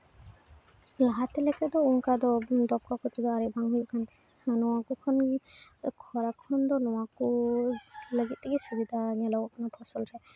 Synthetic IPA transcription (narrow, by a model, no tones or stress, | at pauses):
laɦat̪ɛlɛkad̪ɔuŋkad̪ɔd̪ɔp̚kakɔt̪id̪ɔaɾɛbʱaŋɦujɔkʰan | nɔwakɔkʰɔn | kʰɔɾakʰɔnd̪ɔnɔwakɔ | ləɡit̪̚ɛɡɛsubid̪ʱaɲalɔɡɔkʰɔnɔʈʰɔsɔlɾɛ